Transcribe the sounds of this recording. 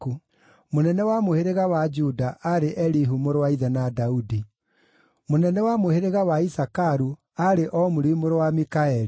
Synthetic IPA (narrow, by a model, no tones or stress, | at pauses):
u | monɛnɛwamoheɾeɣawad͡ʒudaʔaɾeʔɛɾiɦumoɾowaiðɛnadaudi | monɛnɛwamoheɾeɣawaisakaɾu | aɾeʔɔmoɾimoɾowamikaɛɾi